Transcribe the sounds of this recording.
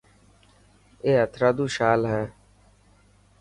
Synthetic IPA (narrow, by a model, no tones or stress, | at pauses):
eːɦət̪ʰɾaːd̪uːʃaːlɦɛ̃ː